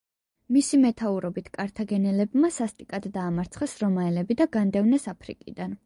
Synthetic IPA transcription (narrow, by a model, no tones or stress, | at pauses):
misimɛt̪ʰauɾɔbit̪ʰkʼaɾt̪ʰaɡɛnɛlɛbmasast̪ʼikʼad̪ːaːmaɾt̪sʰχɛsɾɔmaɛlɛbid̪aɡand̪ɛvnɛsapʰɾḭkʼḭd̪an